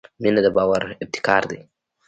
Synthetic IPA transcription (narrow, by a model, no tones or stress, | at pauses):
minad̪ɐbaːwɐɾɪb̚t̪ʰɪ̥kaːɾd̪e